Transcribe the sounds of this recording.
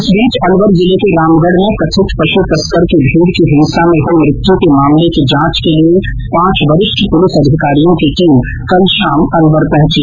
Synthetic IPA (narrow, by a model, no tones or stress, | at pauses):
ɪsbiːt͡ʃɐnʋəɾd͡ʒɪlekeɾaːmɡəɽnekɾɐt̪ʰɪt̪pɐʃut̪ɐskəɾkibʱĩːd̪kiɦɪ̃nsamẽɦomɾɪt̪jõkemaːmlekid͡ʒãːt͡ʃkelie | pãːt͡ʃʋɐɾɪʃkipʊlɪsɐd̪ʱɪkaːɾijõkiʈɪ̃ŋ | kɐlʃaːmɐnʋəɾpɛ̃ɦʊ̃t͡ʃiː